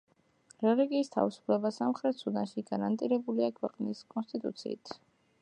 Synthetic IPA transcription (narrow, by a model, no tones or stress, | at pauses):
ɾɛliɡiːst̪ʰa̰visu̥pʰlɛbasamχɾɛt̪sʰud̪anʃiɡaɾant̪ʼiɾɛbuliakʰwɛqʼniskʼɔnst̪ʼit̪ʼṵt̪sʰḭːt̪ʰ